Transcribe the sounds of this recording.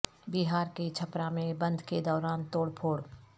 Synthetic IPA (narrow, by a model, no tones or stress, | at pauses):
biɦaːɾket͡ʃʰɐpɾamẽbɐ̃nd̪ʱked̪ɔːɾaːnt̪oːɽpʰoːɽ